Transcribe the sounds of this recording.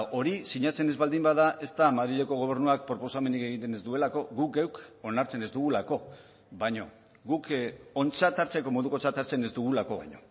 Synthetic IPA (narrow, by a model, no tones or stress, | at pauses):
ʔo̞ɾisiɲat͡se̞ne̞zβald̪imbaðaʔe̞st̪amaðɾiʎeko̞ɣ̞o̞β̞e̞ɾnuak̚pɾo̞po̞same̞nike̞ɣint̪e̞ne̞zd̪ue̞lako̞ɣukɡewko̞naɾt͡se̞ne̞zd̪uɣ̞ulako̞ | βajɲo̞ | ɡuko̞nt͡sat̪aɾt͡se̞ko̞mo̞ðuko̞t͡sat̪aɾt͡se̞ne̞zd̪uɣ̞ulako̞βa̰jɲo̞